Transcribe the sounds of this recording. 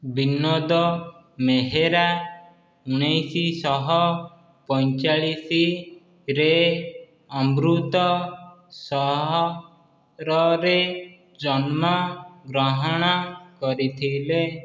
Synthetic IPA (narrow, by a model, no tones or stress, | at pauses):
binɔd̪ɔ | meɦeɾa | uɽ̃ejsisɔɦɔ | pɔnt͡ʃaɭisi | ɾe | ɔmɾut̪ɔ | sɔɦɔ | ɾɔɾe | d͡ʒɔnmɔɡɾɔɦɔɽ̃ɔkɔɾit̪ʰile